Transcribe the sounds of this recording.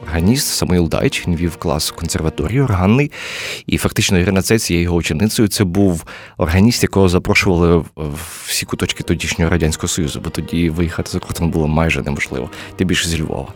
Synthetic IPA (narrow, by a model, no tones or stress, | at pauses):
ɔrɦɐnʲist̪sɐmɔilˠd̪ɑ̰jt͡ʃnʲʋʲiwklˠɑ̰skɔnserʋɐt̪ɔɾʲijʊɔrɦɑnːɪjḭfɐkt̪ɪt͡ʃnɔiɾɪnɐt̪sɛt͡sʲjɛjɔɦɔʊt͡ʃʲinɪt̪sɔjʊt̪sɛbuw | ɔ̰rɦɐnʲist̪jɐkɔɦɔzɐpɾɔʃʊʋɐlˠɪ̥ | sʲikʊt̪ɔt͡ʃkɪ̥t̪ɔdʲiʃnʲɔɦɔɾɐdʲanʲsʲkɔɦɔsɔjuzʊbɔt̪ɔdʲiʋɪjixat̪ɪ̥zɐkɔrt̪ɔnbulˠɔmɑjʒɛnɛ̰mɔʒlˠɪ̰ʋɔ̰t̪ɛbʲilʲʃzʲilʲʋɔ̰ʋˠɐ̰